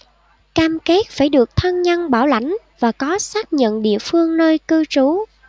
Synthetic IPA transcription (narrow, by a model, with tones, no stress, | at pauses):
kaː˧mke˦˥t̚faː˧˩jɗɨ˨˩ək̚t̪ʰə˧nɲə˧nɓaː˧˩wla̰˧˩jŋ̟ | vaː˨˩kɔ˨˦saː˦˥k̚ɲə̰˧˨nɗḭ˧˨əfɨ˧əŋnəː˧jkɨ˧t͡ɕu˨˦